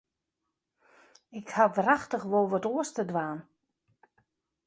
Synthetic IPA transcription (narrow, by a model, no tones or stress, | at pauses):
ɪkhaʋaraxtəxʋolˠʋɔtuəstədʋaːn